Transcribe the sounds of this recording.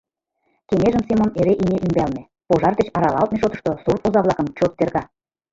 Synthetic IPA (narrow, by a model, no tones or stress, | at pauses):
keŋeʒə̆msemoneɾeʔinʲeʔymbælnĕ | poʒɑrd̪eɕɑɾɑlɑlˠt̪̚meʃot̪ɤ̆ʃt̪osurp̪ozɑβlˠɑkə̆mt͡ɕot̪ːerɣɑ